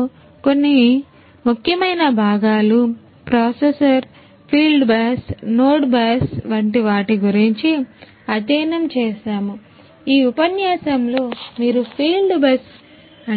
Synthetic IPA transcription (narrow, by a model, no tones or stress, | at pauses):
ko̞nːi | mukʰjɐmɐjnɐbʱaːɡaːlu | pɾaːsesɐɾ | pʰiːlɖbaːsnoːʈbaːsʋɐɳʈiʋaːʈiɡuɾiɲt͡ʃi | ɐt̪ɛːnɐmt͡ʃeːʃaːmu | iːupɐnjaːsɐmlo̞ːmiːɾupʰiːlɖbɐs | ɐ